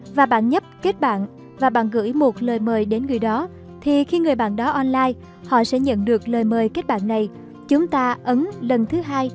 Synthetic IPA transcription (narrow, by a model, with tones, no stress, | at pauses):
vaː˨˩ɓa̰ː˧˨nɲə˦˥p̚ke˦˥t̚ɓa̰ː˧˨n | vaː˨˩ɓa̰ː˧˨nɣɨ̰˧˥jmo˨˩t̚ləː˨˩jməː˨˩jɗe˨˦nŋɨ˨˩əjɗɔ˨˦ | t̪ʰi˨˩xi˧ŋɨ˨˩əjɓa̰ː˧˨nɗɔ˨˦ʔɔ˧nlaː˧j | hɔ̰˧˨sɛ̰˧˥ɲə̰˧˨nɗɨ˨˩ək̚ləː˨˩jməː˨˩jke˦˥t̚ɓa̰ː˧˨nːa˨˩j | t͡ɕʊ˨˦ŋ͡mt̪aː˧ʔə˨˦nlə˨˩nt̪ʰɨ˨˦ɦaː˧j